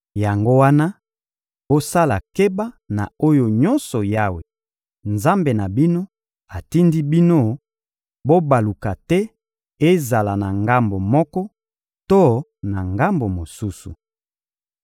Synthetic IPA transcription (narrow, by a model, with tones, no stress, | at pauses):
ja˨ŋɡo˦wa˦na˦ | bo˦sa˦la˨ke˦ba˦ | na˨o˦jo˨ɲɔ˦nsɔ˨ja˦we˨ | nza˦mbe˨na˨bi˦no˦ | a˨ti˦ndi˦bi˦no˦ | bo˦ba˨lu˨ka˨tɛ˦ | e˦za˨la˨na˨ŋɡa˦mbo˨mɔ˦kɔ˦ | to˦na˨ŋɡa˦mbo˨mo˨su˦sṵ˨